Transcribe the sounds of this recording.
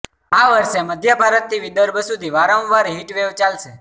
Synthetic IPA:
aʋəɾʃeməd̪ʱjəbʱaɾət̪̚ːiʋid̪əɾbʱəsud̪ʱiʋaɾə̃ʋaɾɦiʈʋeʋt͡ʃalʃe

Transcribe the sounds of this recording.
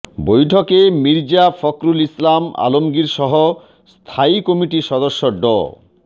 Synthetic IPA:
bojʈʰokemiɾd͡ʑafɔkɾulislama̰lomɡiɾʃɔɦo | st̪ʰaikɔmiʈiʃɔd̪oʃːoɖɔ̰

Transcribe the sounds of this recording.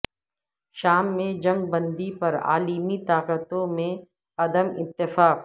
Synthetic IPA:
ʃaːmːẽd͡ʒɐ̃ŋɡ̚bɐ̃nd̪ipɐɾa̰ːlimit̪aːqət̪õmẽ | ɐd̪əmɪt̪ːɪfaːq

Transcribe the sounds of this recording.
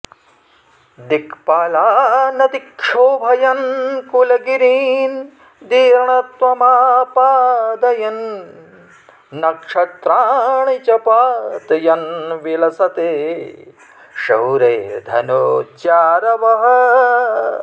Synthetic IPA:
d̪ikʰpaːlaːnɐt̪ikʂoːbʱɐjɐnkulɐɡiɾiːn | d̪iːɾɐɳɐt̪ʋɐmaːpaːd̪ɐjɐn | ɐkʂɐt̪ɾaːɳit͡ʃɐpaːt̪ɐjɐnʋilɐsɐt̪eː | ʃɐwɾeːd̪ʱɐ̰noːt͡ʃaːɾɐʋɐɦɐ

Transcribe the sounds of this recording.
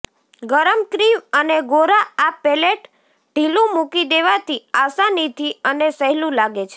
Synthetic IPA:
ɡəɾəmkɾiʋəneɡoɾaːpeleʈ | ɖʱilũmukid̪eʋat̪iasanit̪ʰiənesəɦlũlaɡet͡ʃʰe̥

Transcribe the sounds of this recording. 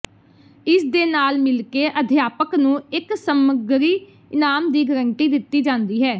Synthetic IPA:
ɪsd̪eːnaːlmɪlkeːʔəd̪ʱjaːpəknũːɪksəməɡɾiː | ɪnaːmd̪iːɡəɾəɳʈiːd̪ɪt̪ːiːd͡ʒãːnd̪iːɦɛː

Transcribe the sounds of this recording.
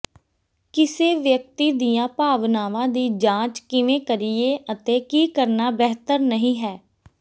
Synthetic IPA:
kɪseːʋjək̚t̪iːd̪ijãːpaːʋnaːʋãːd̪iːd͡ʒãːt͡ʃkɪʋẽːkəɾieːʔət̪eːkiːkəɾnaːbɛɦt̪əɾnəɦĩːɦɛː

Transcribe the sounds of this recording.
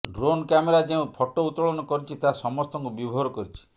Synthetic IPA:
ɾonkameɾad͡ʒeũpʰɔʈout̪ɾɔɭɔnɔkɔɾit͡ʃʰit̪asɔmɔst̪ɔŋkubibʱɔɔɾɔkɔɾit͡ʃʰi̥

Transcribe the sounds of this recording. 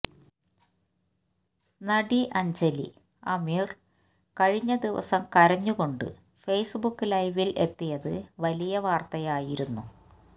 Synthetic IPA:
nɐɖiʔɐɲd͡ʑɐlḭ | ɐmiːr | kɐɻiɲːɐd̪iʋɐ̰sɐmkɐɾɐɲːuɣo̞ɳɖɨ̰ | fe̞jsɨbukːɨlɐjʋilʔe̞̰t̪ːijɐðɨʋɐlijɐʋaːrt̪ɐjaːjiɾunːu

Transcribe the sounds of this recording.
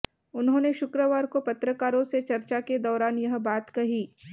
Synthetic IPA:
ʊnɦõːneʃʊkɾəʋaːɾkopɐt̪ɾəkaːɾõset͡ʃɐɾt͡ʃaked̪ɔːɾaːnjɐɦbaːt̪kɐɦiː

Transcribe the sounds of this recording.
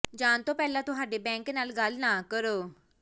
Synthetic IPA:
d͡ʒaːnt̪õːpɛːlãːt̪ʊɦaːɖeːbɛ̃ːŋknaːlɡəlnãːkəɾoː

